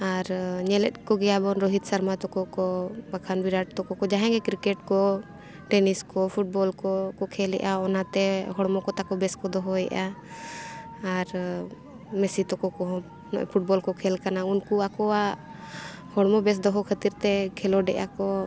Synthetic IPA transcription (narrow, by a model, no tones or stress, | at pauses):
aɾɲɛlɛt̪̚ˀkɔɡɛjabɔnɾɔɦit̪̚saɾmat̪ɔkɔkɔbakʰanbiɾaʈ̚t̪ɔkɔkɔd͡ʒaɦɛ̃ɡɛkɾikɛʈkɔ | ʈɛniskɔpʰuʈ̚bɔlkɔkɔkʰɛlɛ̰ʔaɔnat̪ɛɦɔɽmɔkɔt̪akɔbɛskɔd̪ɔɦɔɛ̰ʔa | ɾ | mɛsit̪ɔkɔkɔɔ̰̃ | pʰuʈ̚bɔlkɔkʰɛlkanaunkuakɔwa | hɔɽmɔbɛs̬d̪ɔɦɔkʰət̪iɾt̪ɛkʰɛlɔɖɛ̰ʔakɔ